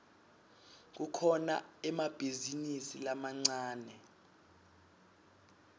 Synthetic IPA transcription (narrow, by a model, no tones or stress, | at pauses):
k̬ukʰɔnaɛmab̥ʱizinisilamaŋ͡ǀaːnɛ